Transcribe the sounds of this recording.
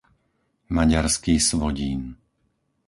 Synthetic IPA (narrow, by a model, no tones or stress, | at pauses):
maɟaɾskiːsʋɔɟiːn